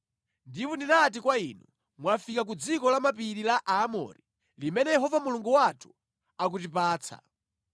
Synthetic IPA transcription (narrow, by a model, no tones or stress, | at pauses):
ndipɔndinat̬ikwainu | mwafikakud͡zikɔlamapiɾilaʔaːmɔ̰ɾi | limɛnɛjɛɦɔvamuluŋɡuwatʰu̥ | ak̬utipaːt͡sʰa̰